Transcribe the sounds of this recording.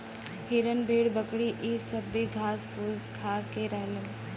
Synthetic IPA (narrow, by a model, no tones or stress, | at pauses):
hiːɾənbʱiːɽbəkɽiʔiːsəbːiɡʱaːspuskʰaːkeɾəɦlən